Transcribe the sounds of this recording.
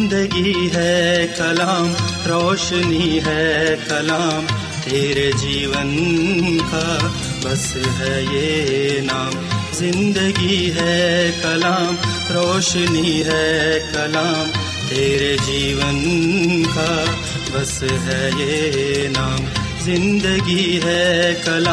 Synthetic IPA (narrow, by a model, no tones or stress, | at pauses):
nd̪əɡiɦɛkɐlaːm | ɾoːʃniɦɛkɐlaːm | t̪eːɾed͡ʒiːʋən | ka | bɐs | ɦɛjenaːmzɪ̃nd̪əɡiiɦɛkɐlaːm | ɾoːʃniɦɛkɐlaːm | t̪eːɾed͡ʒiːʋənka | bɐsɦɛjenaːm | zɪ̃nd̪əɡiɦɛkɐla